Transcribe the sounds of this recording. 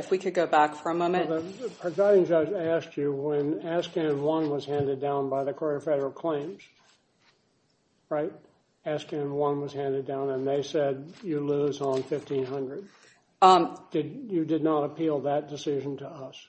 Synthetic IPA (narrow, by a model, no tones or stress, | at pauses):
ɨfwikʰɨd̚ɡoʊbækfə˞ɨmõʊ̃mɨðəpʰɹ̥ɨzaɪɾɪ̃ŋd͡ʒʌd͡ʒæsk̚t͡ʃɨwɨ̃næskæɨ̃nwʌ̃nwʌz̥hæ̃ndɨdãʊ̃nbaɪðɨkʰɔɹɾʌfɛɾə˞l̩ˠkʰl̥ẽɪ̃mz̥ | ɹaɪt̚ | æskæ̃nwʌ̃nwʌz̥hæ̃ndɨdãʊ̃nə̃nðeɪsɛdjɨlɪvzn̩fɪftʰĩnɦʌ̃ndɹɨd̚ | ʌd̥ɨdjɨdɨdⁿnəɾəpʰilˠðɨt̚d̥ɨsɪʒ̃n̩tʰəʌs